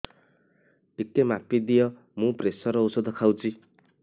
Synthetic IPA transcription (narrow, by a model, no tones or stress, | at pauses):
ikːemapːid̪ijʌ | mũpresʌɾʌosʌd̪ʌkʰawt͡si